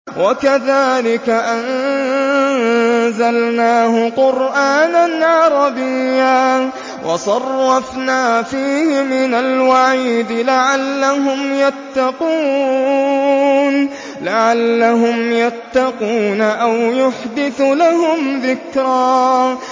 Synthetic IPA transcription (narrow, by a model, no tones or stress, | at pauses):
wʔakaðaːlɪkaʔan | zalnaːɦʊqʊɾʔaːnanʕɑɑɾˤɑbɪjːaː | wʔɑ̰sˤɑrˤːɑfnaːfiːhɪmɪnalwaʕiːd̪ɪlaʕalːaɦʊmjat̪ːɑquː | n | laʕalːaɦʊmjat̪ːɑquːnaʔawjʊħd̪ɪθlaɦʊmðɪkɾɑː